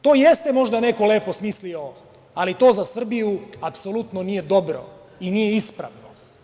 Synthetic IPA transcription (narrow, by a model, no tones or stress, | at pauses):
t̪oːjest̪emo̞ʒd̪ane̞ko̞le̞ːpo̞smislio | alit̪o̞ːzasr̩bijuapso̞lut̪nonije̞d̪o̞bɾo̞̰ | inijeispɾa̰ʋno